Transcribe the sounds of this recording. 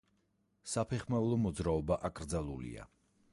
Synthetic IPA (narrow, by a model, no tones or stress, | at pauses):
sapʰɛχmaulˠɔmɔd̪zɾaɔbaʔakʼɾd̪zalˠulḭa̰